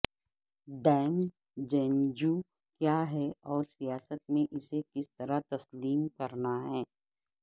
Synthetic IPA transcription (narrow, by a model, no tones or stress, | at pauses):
ɖɛːm | d͡ʒɛ̃ːɲd͡ʒu | kjaːɦɛɔːɾsijaːsət̪̚mẽʔɪsekɪst̪ɐɾat̪ɐsliːmkɐɾnaɦɛː